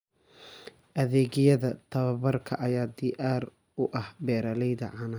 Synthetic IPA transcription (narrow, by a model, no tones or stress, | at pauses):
ʔɐðɛːɣɪjɐðɐt̪ʰɐβɐβɐrkʰɐʔɐjaːd̪iʔaːr | ʊʔɐhbɛːɾɐlɛjðɐ̰ʕɑnɐ